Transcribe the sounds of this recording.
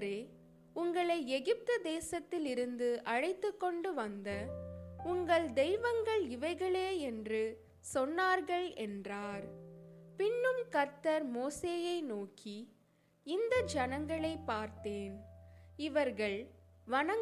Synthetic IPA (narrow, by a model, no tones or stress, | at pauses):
ɾeː | ʊŋɡɐɭɐɪɛɣɪp̚t̪ɯd̪eːsɐt̪ːɪlɪɾɯnd̪ɯʔɐɻɐɪt̪ːɯkːɔɳɖɯʋɐnd̪ɐʊŋɡɐɭd̪ɛjɪʋɐŋɡɐɭɪʋɐɪɣɐɭeːɛndrɯ | sɔnːaːɾɣɐɭɛndraːɾpɪnːɯmkɐɾt̪ɐɾmoːseːjɐɪnoːkʰi | ɪnd̪ɐd͡ʒɐnɐŋɡɐɭɐɪpːaːɾt̪eːnɪʋɐɾɣɐɭʋɐnɐ